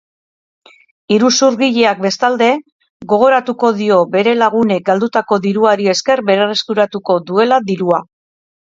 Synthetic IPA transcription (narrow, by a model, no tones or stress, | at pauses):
iɾusuɾɣiʎe̞ak̚be̞st̪ald̪e̞ | ɣo̞ɣ̞o̞ɾat̪uko̞ðio̞be̞ɾe̞laɣ̞unek̚ɡald̪ut̪ako̞ðiɾuaɾie̞ske̞ɾbe̞ɾareskuɾat̪uko̞ðue̞laðiɾua